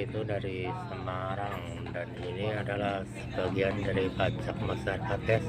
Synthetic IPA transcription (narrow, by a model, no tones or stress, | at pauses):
it̪udaɾisəmaɾaŋ | daniniadalahsəbaɡiandaɾipat͡ʃak̚masarat̪ɛs